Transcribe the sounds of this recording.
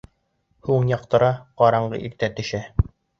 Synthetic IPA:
huɴjɑqt̪ɤ̆ɾɑqɑɾɑɴɢɤ̰ʔik̚t̪æt̪ɵ̆ʃæ

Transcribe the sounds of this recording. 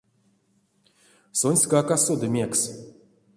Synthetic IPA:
sonʲsʲkakasod̪ɨmʲeks

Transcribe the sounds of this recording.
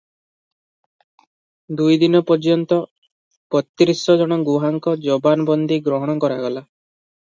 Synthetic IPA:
d̪ujd̪inɔpɔd͡ʒjɔnt̪ɔ | kɔt̪ːiɾisɔd͡ʒɔɽ̃ɔɡuɦaŋkɔd͡ʒɔbanɔbɔnd̪iɡɾɔɦɔɽ̃ɔkɔɾaɡɔla

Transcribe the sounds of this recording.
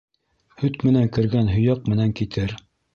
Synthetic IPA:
hɵt̪mɘ̆næŋkɘ̆ɾɡænɦɵ̆jɑq̚mɘ̆næŋkit̪ʰɘɾ

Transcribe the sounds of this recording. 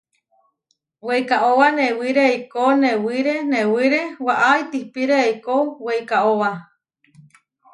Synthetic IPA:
wejkaʔowanewiɾeːijkounewiɾenewiɾewaʔait̪ihpiɾeeikouweijkaʔowa

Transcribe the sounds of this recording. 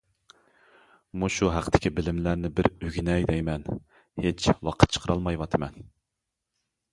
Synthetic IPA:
muʃuɦæqʰt̪ʰɪ̥kʲibɪlɪmlæɾnɪbɪɾøɡʲinɛjd̪ɛjmɛn | het͡ʃʰwɑqʰə̥t̪̚t͡ʃʰə̥qʰəɾɑlˠmɑjwɑt̪ʰɨmɛn

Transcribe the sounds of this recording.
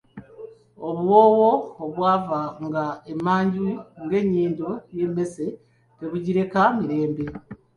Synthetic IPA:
oβuwoːwoːβwaːvaŋɡaemaːɲɟuŋɡe̞ːɲiːndoje̞me̞se | teβuɟiɾe̞kamiɾe̞ːmbe

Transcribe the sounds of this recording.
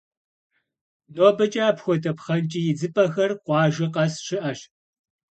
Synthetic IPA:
noːbɐt͡ʃʼaːpxʷɔtʰɐpχɐnt͡ʃʼijɪd͡zɨpʼɐxɐrqʷɑːʒɪqɐsɕɪʔɐɕ

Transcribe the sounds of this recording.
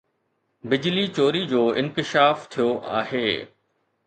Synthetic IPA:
bɪd͡ʑlit͡ɕoːɾid͡ʑoːɪ̃nkɪʃaːft̪ʰijoʔa̰ːɦeː

